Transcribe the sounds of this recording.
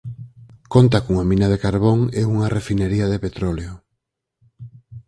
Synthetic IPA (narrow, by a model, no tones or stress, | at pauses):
kont̪akuŋamĩnaðekaɾβoŋeuŋarefineɾiaðepet̪ɾoleo